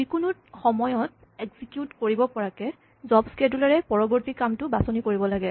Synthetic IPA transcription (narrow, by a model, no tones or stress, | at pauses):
ikunʊt̚xɔmɔjɔt | ɛɡzikjutkoɹibɔpɔɹakɛ | zɔbskedulaɹɛpɔɹɔbɔɹtikamtʊbasonikoɹibɔlaɡɛ